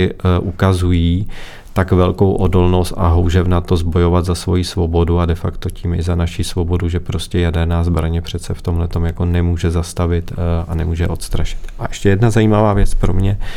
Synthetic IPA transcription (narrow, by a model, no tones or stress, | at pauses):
ɪʔukazujiː | t̪akvɛlkowʔo̞do̞lno̞st̪a̰ɦowʒɛvnat̪o̞zbo̞jo̞vad̪zasvo̞jisvo̞bo̞duadɛfakt̪o̞ciːmɪzanaʃisvo̞bo̞duʒɛpɾo̞scɛjadɛɾnaːzbɾaɲɛpr̥ɛt̪sɛft̪omlɛt̪o̞mjako̞nɛmuːʒɛzast̪avɪt̪anɛmuːʒɛʔo̞t̪st̪ɾaʃɪ̥t̪ʔaʔɛʃcɛjɛdnazajiːmavaːvjɛt͡spɾo̞̰mɲɛ